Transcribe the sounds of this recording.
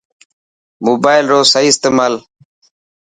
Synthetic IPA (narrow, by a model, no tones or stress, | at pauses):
moːbaːɪlɾoːsəiːɪst̪eːmaːl